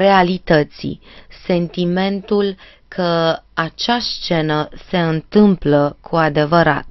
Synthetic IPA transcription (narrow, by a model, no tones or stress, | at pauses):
re̞alit̪ət̪sḭse̞nt̪ime̞nt̪ul | kʰəat͡ʃast͡ʃe̞nəse̞ɨnt̪ɨmpləkʰuad̪e̞vəɾa̰t̪̚